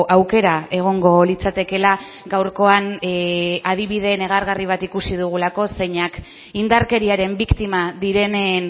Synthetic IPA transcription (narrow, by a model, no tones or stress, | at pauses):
ʔawke̞ɾae̞ɣ̞o̞ŋɡo̞lit͡sat̪e̞ke̞la | ɡawɾko̞an | að̞iβ̞iðe̞ːne̞ɣ̞aɾɣariβ̞at̪ikusið̞uɣ̞ulako̞se̞ɲak | ind̪aɾke̞ɾiaɾe̞mbikt̪imaðiɾe̞nen